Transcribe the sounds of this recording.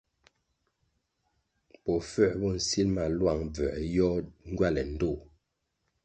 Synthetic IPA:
pɔ˨fɛ˦˨bɔ˦˨n̩˨si˦lma˨lwa˦˨ŋb͡vɛ˨ʔjɔ˦ŋ˦ɡwa˦˨lɛ˨n̩˦do˦˨

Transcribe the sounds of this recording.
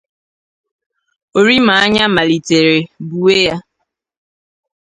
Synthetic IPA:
o˨ɾi˦ma˨a˦ɲa˦ma˨li˨te˨ɾe˨bu˨we˦ja˦

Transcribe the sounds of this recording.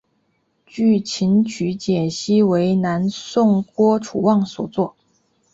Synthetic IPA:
t͡ɕy˥˩t͡ɕʰi˧˥nt͡ɕʰy˧˥t͡ɕjɛ˨˩ɕi˥we˧˥ɪna˧˥nsʊ˥˩ŋkwɔ˥ʈ͡ʂʰu˨˩wɑ˥˩ŋswɔ˨˩t͡swɔ˥˩

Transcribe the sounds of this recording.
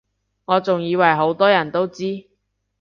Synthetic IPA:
ŋɔː˨˧t͡sʊ˨ŋjiː˨˧wɐ˨˩jɦo˨˥wt̪ɔː˥jɐ˨˩nt̪o˥wt͡siː˥

